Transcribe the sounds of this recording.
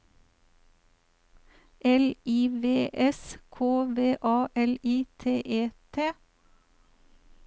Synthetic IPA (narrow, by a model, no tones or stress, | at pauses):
ʔɛliːʋeːʔɛskʰoːʋeːʔɑːʔɛliːt̪ʰeːʔeːt̪ʰeː